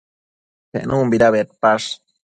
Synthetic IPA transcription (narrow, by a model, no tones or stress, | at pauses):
pḛʔnʔumbiɾaβet̪̚paʂ